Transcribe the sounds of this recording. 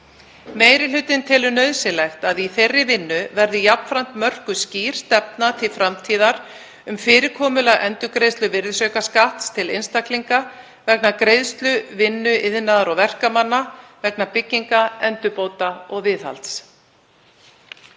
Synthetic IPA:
meːjɾɪl̥ʏt̪ɪnt̪ʰɪlʏnœðsɪlɛxt̪aðiθejrːɪvɪnːʏvɛɾðɪjapn̥fɾan̥t̪mœr̥kʏsciːɾ̥st̪ɛp̚nat̪ʰɪlfɾamt̪ʰiːðaɾ | ʏmfɪːɾɪɾkʰɔːmʏlaʔɛnt̪ʏkɾejst̪lʏvɪɾðsœɥkaskaht̪st̪ʰɪlejnst̪akliŋka | vɛknakɾejðst̪lʏvɪnːʏɪðnaðaɾɔɣvɛr̥kamanːavɛknapɪcːiŋkaɛnt̪ʏpoːwt̪aɔɣvɪːðha̰lt̪s

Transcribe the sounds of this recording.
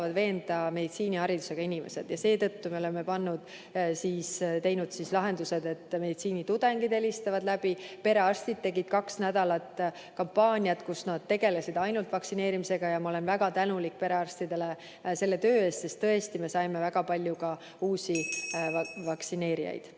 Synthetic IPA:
vɑd̪ve̞ːnd̪̥ɑme̞d̪it̪siːnʲihɑɾid̪use̞ɡɑinime̞̰se̞d̪̥jɑse̞ːt̪ɤ̞t̪ːume̞o̞le̞me̞pɑnːud̪̥ | siːst̪e̞jnud̪̥sislɑɦe̞nd̪use̞d̪e̞t̪ːme̞d̪it̪siːnit̪ud̪̥e̞ŋɡ̥id̪e̞list̪ɑvɑd̪læbipe̞ɾe̞ɑrst̪id̪̚t̪ːe̞ɡid̪̥̚kɑksnæd̪ɑlɑt̪ˑ | kɑmpːɑːnʲiɑt̪kusnɑd̪̥̚t̪ːe̞ɡe̞lesid̪ɑjnult̪vɑksine̞ːɾimise̞ɡ̥ɑjɑmɑole̞nvæɡ̥ɑt̪ænulik̚ːpe̞ɾe̞ɑrst̪id̪e̞le̞ | se̞lːe̞t̪ø̞ːe̞ːst̪se̞st̪ːɤe̞st̪ime̞sɑjme̞væɡ̥ɑpɑlʲjukɑ | uːsʲi | vɑksine̞ːɾḭjɑ̰jd̪̥

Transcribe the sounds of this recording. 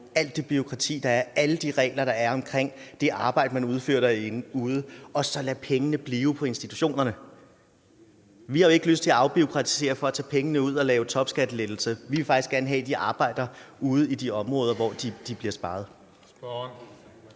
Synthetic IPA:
æl̰d̥ib̥yo̝kʰʁɑ̈t͡sʰḭːd̥ɑ̈æɐæləd̥iʁɛ̰ːɪlɐɾ̥ɑ̈æɐɒ̽mkʰʁeŋ̰d̥e̝ʔɑ̈ːb̥ɑ̈ɪ̰d̥əmænuð̞ˠfø̰ɐ̰d̥ɑenuːð̞ˠəɒ̽sɒ̽læpʰeŋənəb̥liːʊpʰɒ̽e̝nsd̥it͡sʰu̥ɕo̝̰ːnɐnə | ʋihɑe̝ɡ̥løsd̥t͡sʰe̝læɑ̈ʊb̥io̝kʰʁɑ̈t͡sʰi̥se̝̰ːɐfɒ̽æt͡sʰɛ̰ːpʰeŋənəuð̞̰ˠɒ̽lɛːʊt͡sʰɒ̽b̥sɡ̥æd̥əled̥l̩səʋiʋe̝fɑ̈ɡ̥isɡ̥æɐnəɦɛ̰ːd̥iʔɑ̈ːb̥ɑ̈ɪ̰d̥ɐuːð̞̩ˠid̥iɒ̽mʁɔːðˠɐʋɒ̰d̥id̥ib̥liɐsb̥ɑ̈ːð̞̩ˠ

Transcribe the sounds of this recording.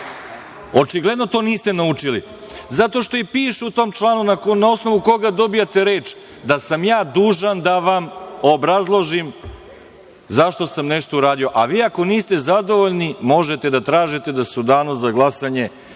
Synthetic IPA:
o̞t͡ʃiɡled̪no̞t̪o̞ːniːst̪e̞naut͡ʃili | zat̪o̞ʃt̪o̞ipiːʃuut̪o̞ːmt͡ʃlˠaːnunanao̞sno̞ʋuko̞ɡad̪o̞bijat̪e̞ɾe̞ːt͡ʃ | d̪asamjaːd̪uːʒand̪aʋamobɾazlˠo̞ʒim | zaʃt̪o̞samneʃt̪o̞uɾaːd̪io̞ʔaʋiːako̞niːst̪e̞zad̪o̞ʋo̞ʎnimo̞ʒet̪ed̪at̪ɾaːʒit̪e̞d̪asud̪aːnuzaɡlˠasaɲe̞

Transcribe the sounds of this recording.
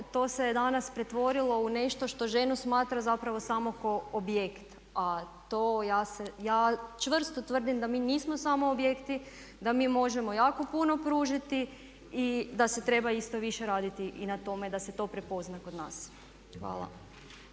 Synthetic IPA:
t̪o̞ːsed̪anaspɾe̞t̪ʋo̞ɾilˠo̞une̞ʃt̪oʃt̪o̞ʒe̞nusmaːt̪ɾazapɾaʋo̞saːmoko̞objekt̪ | at̪oːjaːsejaːt͡ʃʋr̩st̪ot̪ʋər̩d̪imd̪amiːniːsmo̞samo̞obje̞kt̪i | d̪amiːmo̞ʒe̞mo̞jaːko̞puno̞pɾuːʒit̪i | id̪ase̞t̪ɾe̞baist̪o̞ʋiʃe̞ɾaːd̪it̪iʔinat̪o̞me̞d̪ase̞t̪o̞pɾe̞po̞znako̞d̪na̰ːs | xʋa̰ːlˠa̰

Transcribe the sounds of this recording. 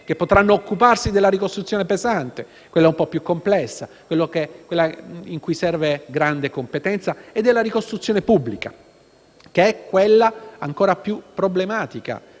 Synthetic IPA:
kepːot̪ɾanːoːkːuparsid̪elːaɾikost̪ɾut̪sːjoːnepezant̪e | kwelːaumpɔpjukːomplɛsːakwelːokekwelːaiŋkujsɛrveɡɾand̪ekompet̪ɛnt̪saed̪ːelːaɾikost̪ɾut̪sjoːnepubːlika | keɛkːwelːaaŋkoːɾapjupːɾoblemaːt̪ika̰

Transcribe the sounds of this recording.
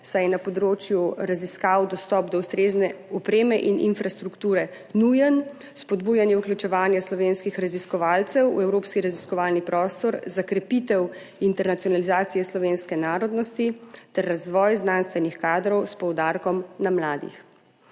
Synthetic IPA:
sajɛnapɔd̪ɾoːt͡ʃjuɾaziskawd̪ɔst̪ɔpd̪ɔwst̪ɾeːznɛɔpɾeːmɛʔinʔḭnfɾast̪ɾukt̪uːɾɛ | nujən | spɔd̪buːjanjɛuklʲjut͡ʃɛʋaːnjaslɔʋenskixɾaziskɔʋaːlt̪sɛwṵɛwɾopskiɾaziskɔʋalnipɾɔːst̪ɔɾzakɾɛpit̪ɛw | int̪ɛɾnat̪sijɔnalizaːt̪sijɛslɔʋenskɛnaːɾɔd̪nɔst̪it̪ɛɾːazʋɔːjznanst̪ʋɛnixkaːd̪ɾɔwspɔwd̪aːɾkɔmnamlaːd̪ḭx

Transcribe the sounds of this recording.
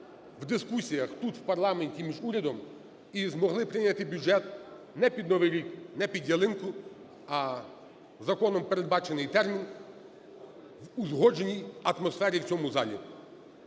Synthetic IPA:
wd̪ɪskusʲijɐxt̪ut̪wpɐrlˠɑmenʲtʲimʲiʒuɾʲɐd̪ɔm | izmɔɦlˠɪpɾɪjnʲɐt̪ɪbʲʊd͡ʒɛt̪̚ | nɛpʲid̪̚nɔʋɪjɾʲiknɛpʲid̪ʲjɐlˠɪnkʊ | ɐ | zɐkɔnɔmpeɾed̪̚bɑt͡ʃenɪjt̪ɛrmʲin | ʋʊzɦɔd͡ʒenʲijɐt̪mɔsfɛɾʲiwt͡sʲɔmʊzɑ̰lʲḭ

